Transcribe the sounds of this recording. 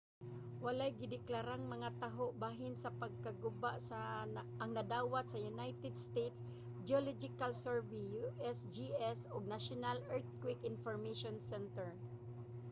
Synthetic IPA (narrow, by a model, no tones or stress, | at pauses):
walajɡɪd̪ɪklaɾaŋmɐŋat̪aɦoʔbaːɦɪnsɐpɐɡ̚kaɡʊbaʔsa | ɐŋnɐd̪aːwat̪̚sɐjʊnajt̪ɛd̪st̪ejt̪s | d͡ʒɪolɔd͡ʒɪkalsɛɹvijuʔɛsd͡ʒiʔɛsoɡ̚naʃʊnalɛɹt̪̚kwɪkɪnfoɹmaʃɔnsɛnt̪ɛɹ